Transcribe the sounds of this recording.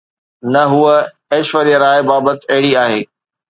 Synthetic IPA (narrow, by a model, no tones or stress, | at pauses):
nɐɦuə | eːʃʋəɾijəɾaːebaːbət̪ɐɦɪɽiaːɦeː